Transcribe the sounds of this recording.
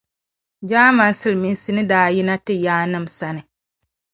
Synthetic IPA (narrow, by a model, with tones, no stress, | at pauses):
d͡ʒaː˦ma˨n˦sɨ˦lmi˨n˦si˦nɨ˦daː˦ji˦na˦tɪ˦jaː˦nɨ˦˨m˨sa˦nɨ˨